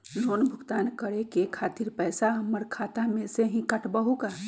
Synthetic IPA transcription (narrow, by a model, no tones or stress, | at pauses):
noːnbʱʊkt̪aːnkəɾekekʰaːt̪iɾpɛːsaməɾkʰaːt̪amẽseɦĩkəʈʰbəɦukaː